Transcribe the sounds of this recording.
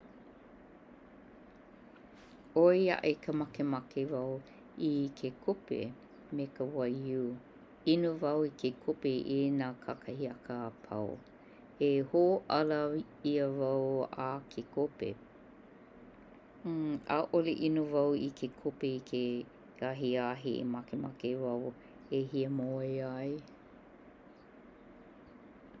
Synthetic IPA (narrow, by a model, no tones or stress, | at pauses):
ojɐ̰ʔekʰəmɐkemɐkevɐw | ikʰekʰopḛ | mekəwɐju | inovɐwikʰekʰopeʔenaːkʰakʰɐhiɐkəːpʰɐ̰w̰ | ehoʔɐlɐ | iəvɐwakʰekʰopḛ | a̰ʔoleʔinovɐwikʰekʰopeikʰe | aɦiaɦiḛmɐkemɐkevɐw | eɦiəmoeɐj